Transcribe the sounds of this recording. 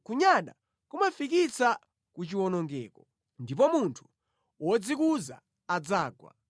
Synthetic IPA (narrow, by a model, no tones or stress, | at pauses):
kuɲaɗa̰ | kumafikit͡sa | kut͡ʃiwɔnɔŋɡɛ̰ːkɔ | ndip̬ɔmuntʰu̥ | wɔd͡zikuzaː | d͡zaːɡwa̰